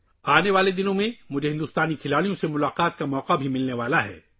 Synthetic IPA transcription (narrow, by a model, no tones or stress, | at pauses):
aːneʋaːled̪ɪnõmẽmʊd͡ʒʱeɦɪ̃nd̪uːst̪aːnikʰɪlaːlijõsemʊlaːqaːt̪kamɔːqabʱimɪlneʋaːlaɦɛ̰ː